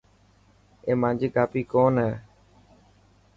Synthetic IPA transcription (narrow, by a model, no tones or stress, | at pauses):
eːmãːnd͡ʒiːɡaːpiːkoːnɦɛː